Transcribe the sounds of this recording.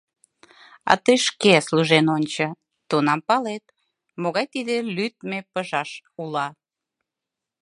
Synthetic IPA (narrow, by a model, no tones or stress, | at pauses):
ɑ̰t̪əjʃkesluʒenonʲt͡ɕə̆ | t̪onɑmpɑlet̪̚ | moɣɑjt̪id̪elyt̪̚mepəʒɑʃulɑ